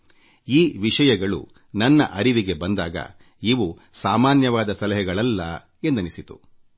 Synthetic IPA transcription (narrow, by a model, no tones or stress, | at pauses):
iːʋiʂɐjɐɡɐɭṵ | nɐnːɐʔɐɾiʋiɡe̞bɐnd̪aːɡɐ̰ | iʋu | saːmaːnjɐʋaːd̪ɐsɐlɐɦɛɡɐɭɐlːɐ | end̪unisit̪u̥̰